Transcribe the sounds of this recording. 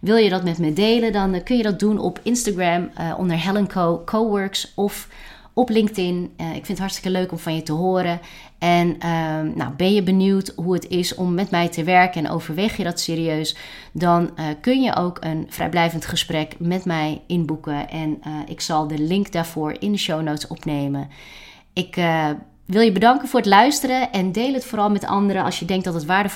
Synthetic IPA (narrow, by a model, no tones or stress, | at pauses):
ʋɪlˠjədɑtmɛtmɛdejlədɔnkɵnjədɑt̚dunɔ̰pʰɪnstaɡɹɛmʔɔ̰ndəɹɦɛlənkʰokʰowʋøɹksɔf | ɔplɪŋk̚tɪnɪ̰kfɪntɦɑɹtstɪ̥kəløɥkɔmfɑnjətəɦoːɾə | ʔɛnəːa̰wbɛnjəbənywtɦuətɪsɔ̰mːɛtmɛjtʰəʋɛɹkəɛnʔo̰wvəɹʋejχjədɔtsɪːriøɥs | dɑnkɵnjə̰ʔowkʰənfrɛ̰jblɛjvəntχəsprɛkmɛtmɛjɪnbukəʔɛnɪ̰ksɑlˠdəlɪŋkdaːɹv̥ʊːɹɪ̰ndəʃownowtsɔpnejmə | ɪk | ʋɪlˠjəbədɑŋkənvʊːɹətlœɥstəɾəʔɛndejlətfoːɾɑlˠmɛtɑ̰ndəɾəɑ̰lˠsjədɛŋk̚dɑtətʋaːɹdə